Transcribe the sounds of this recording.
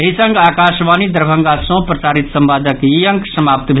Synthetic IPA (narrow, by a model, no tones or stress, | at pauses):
ɦisə̃ŋɡaːkaːʃʋaːnid̪əɾbʱə̃ŋɡasɔ̃ːpɾɐsaːɾit̪sɐmbaːd̪əkjijə̃ŋksɐmaːp̚t̪bʱe